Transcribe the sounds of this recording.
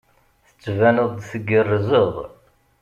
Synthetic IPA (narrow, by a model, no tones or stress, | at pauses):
θə̥t͡sːvænəðˤθəɡərːzəðˤ